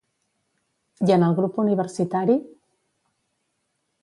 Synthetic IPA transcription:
jənəlˠɣɾupuniβ̞əɾsit̪aɾi

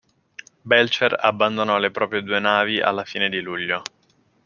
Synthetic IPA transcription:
bɛlt͡ʃera̰bːand̪onɔlepɾɔːpɾjed̪uːenaːviʔa̰lːafiːned̪iluʎːo

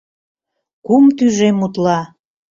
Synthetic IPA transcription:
kumt̪yʒemut̪lɑ

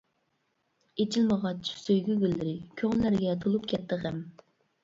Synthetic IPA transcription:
et͡ʃʰilməʁɑt͡ʃsøjɡʲyɡʲylːɪɾɪkʲʰøŋnlæɾɡʲɛt̪ʰolˠupkʲʰɛt̪ʰːɨχɛm

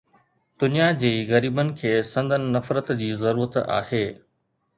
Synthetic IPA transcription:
d̪ʊnijad͡ʑiːɣɐɾiːbənɪ̆kʰeːsɐ̃nd̪ʱənɪ̆nɐfɾət̪d͡ʑiːzɐɾuːɾət̪a̰ːheː

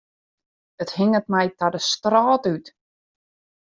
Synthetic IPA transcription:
əthɪŋətmɛjtadəstrɔːtyt

